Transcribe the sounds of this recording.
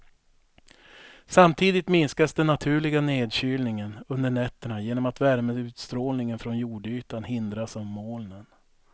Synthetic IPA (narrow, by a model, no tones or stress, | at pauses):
samt̪ʰiːd̪ɪt̪mɪnskasd̪ɛnːat̪ʰʉ̟ːɭɪɡaneːd̪ɕyːlnɪŋənɵnd̪əɳɛt̪ːəɳajeːnɔmat̪væɾməʉ̟ːt̪st̪ɾoːlnɪŋənfɾɔnjuːɖyːt̪anhɪnd̪ɾasavmoːlnən